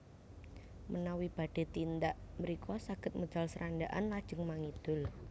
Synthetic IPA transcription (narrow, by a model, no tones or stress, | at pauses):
mənawib̥a̤ɖ̥e̤t̪ind̪aʔməɾikʰɔsaɡ̥ə̤t̪̚məd̥d͡ʒ̥alsəɾʔandaʔa̰nlad̥ʒ̥ə̤ŋmaŋid̪̥ʊl